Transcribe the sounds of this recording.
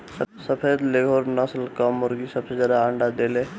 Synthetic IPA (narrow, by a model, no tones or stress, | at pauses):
səsəpʰed̪leɡʱoɾnəslkamʊɾɡisəbsed͡ʒəd̪aəɳɖad̪ele